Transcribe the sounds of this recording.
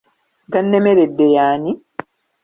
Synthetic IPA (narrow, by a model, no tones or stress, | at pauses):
ɡanːemeɾedːejaːni